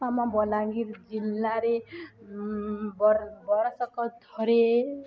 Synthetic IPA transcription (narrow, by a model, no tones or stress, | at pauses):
amabʌlaŋɡiɾd͡zilːaɾe | bbʌɾʌsʌkʌd̪ʱʌɾe